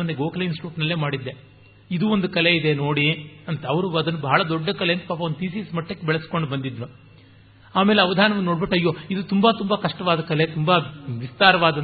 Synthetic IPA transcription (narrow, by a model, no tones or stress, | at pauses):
ɐnd̪eɡoːkɐlɐjnsʈɾuːʈnɐlːe̞ːmaːɽid̪ːe | id̪uːond̪ukɐleid̪eno̞ːɽiɐnt̪ɐɐʋɐɾuɐd̪ɐnːubɐɦɐɭɐd̪ɔɖːɐkɐleɐnt̪ɐpaːpɐond̪ut̪iːsiːsmɐʈːɐkːebɛɭɐsko̞ɳɖubɐnd̪id̪ɾu | aːme̞ːleɐʋɐd̪ʱaːnɐʋɐnːoːɽbiʈːɐjːo̞ːid̪ut̪umbat̪umbɐkɐʂʈɐʋaːd̪ɐkɐlet̪umbɐʋist̪aːɾɐʋaːd̪ɐ